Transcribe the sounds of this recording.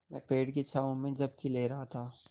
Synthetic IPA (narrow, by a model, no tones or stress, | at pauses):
mɛ̃ːpeːɽkit͡ʃʰaːũmẽd͡ʒɐb̚kileːɾɐɦat̪ʰaː